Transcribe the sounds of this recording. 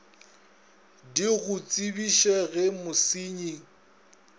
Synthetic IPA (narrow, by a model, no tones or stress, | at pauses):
diɣʊt͡sʼibiʃɛɣɛmʊsiɲi